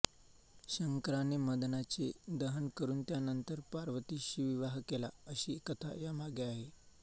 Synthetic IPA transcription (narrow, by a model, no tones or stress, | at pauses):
ɕəŋkɾaneməd̪nat͡sed̪əɦənkəɾuːnt̪janənt̪əɾpaɾʋət̪iːɕiʋiʋaɦkelaəɕikət̪ʰa̰jamaɡeaɦe